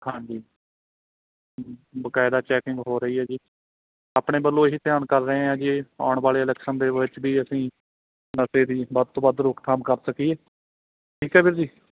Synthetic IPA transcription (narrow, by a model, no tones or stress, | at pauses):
hãːɲd͡ʒiː | bəkaːɪd̪aːt͡ʃɛːkɪ̃ŋɡɦoːɾəiːɦɛːd͡ʒiː | aːpɽeːbəlːõːɦiːt̪ɪjaːnkəɾːəẽːãːd͡ʒiːa̰ːʊɳʋaːleːɪlɛːkʃənd̪eːɪt͡ʃbʱiːəsĩː | nəseːd̪iːbəd̪̚t̪õːbaəd̪ɾʊkt̪ʰamkəɾsəkieː | ʈʰiːkɛːbɪɾd͡ʒiː